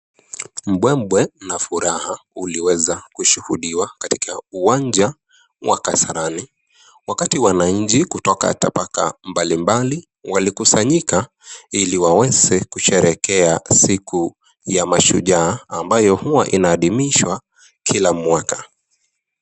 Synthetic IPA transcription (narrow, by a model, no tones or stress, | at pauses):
m̩ɓwɛmbwɛnafuɾahauliwɛzakuʃuhuɗiwakati̥kʰauwand͡ʒa | wʔa̰kasaɾani | wakatiwanaɲ̩d͡ʒikutɔka̰ta̰paka̰mbalimbali | walikusaɲika | iliwawɛzɛkuʃɛɾɛkɛasiku | jamaʃuʄaːambajɔhuwaʔinaːɗimiʃwa | kʰilamwakḁ